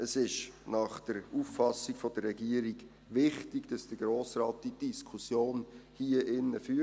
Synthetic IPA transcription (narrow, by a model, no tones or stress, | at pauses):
əsɪʃnɑχd̥əɾuːfːɑsiɡ̥fod̥ərːɛɡiəɾiɡ̥ | ʋɪχtɪɡd̥ɑsd̥əɡ̥ɾoːsrɑːt̚d̥id̥iskʰusjoːnhiəʔɪnːəfyː